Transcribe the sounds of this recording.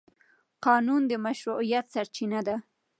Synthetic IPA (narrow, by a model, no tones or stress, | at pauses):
qɑnund̪əmaʃɾuijat̪saɾt͡ʃinad̪a